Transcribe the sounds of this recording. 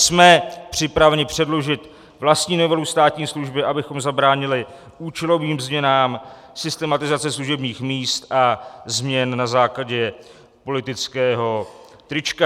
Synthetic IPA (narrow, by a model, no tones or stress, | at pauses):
smɛpr̝̥ɪpɾavɛɲɪpr̝̥ɛdlo̞ʒɪt̪ | vlast̪ɲiːnovɛlust̪aːt̪ɲiːsluʒbɪʔabɪxo̞mzabɾaːɲɪlɪ | ʔuːt͡ʃɛlo̞viːmzmɲɛnaːm | sɪst̪ɛmat̪ɪzat͡sɛsluʒɛbɲiːxmiːst̪ʔazmɲɛnnazaːklaɟɛ | po̞lɪt̪ɪt͡skɛːɦo̞ | t̪ɾɪt͡ʃka